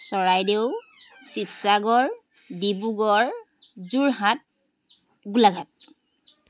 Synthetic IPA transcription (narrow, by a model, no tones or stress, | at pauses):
sɔɹajdeʊsipʰsaɡɔɹ | dibuɡɔɹzuɹɦat̚ | ɡulaɡʱat̚